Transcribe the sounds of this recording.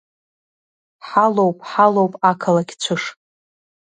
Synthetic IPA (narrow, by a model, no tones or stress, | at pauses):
ħalowpʼħalowpʼakʰalaɡʲt͡ɕʷʰɨʂ